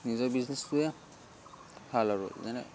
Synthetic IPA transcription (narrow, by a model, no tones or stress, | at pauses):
nizɔbiznɛstuja | pʰalaɹṵzanɛ̰